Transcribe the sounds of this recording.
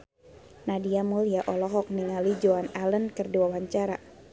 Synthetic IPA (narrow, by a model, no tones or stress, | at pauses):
nadiamulijaʔɔlɔɦɔk̚niŋalid͡ʒoanalənkərduawaɲt͡ʃaɾa